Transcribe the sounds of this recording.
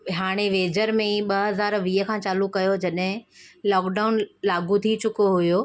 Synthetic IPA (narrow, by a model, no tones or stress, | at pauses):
ɦaːɽ̃eʋeːd͡ʑəɾmẽɓɐɦɐzaːɾʋiːɦə̆kʰãːt͡ɕaːlukɐjod͡ʑɐɗɦɪ̃lɔːkɖaʊnlaːɡʱũt̪ʰit͡ɕʊkoɦuʊjo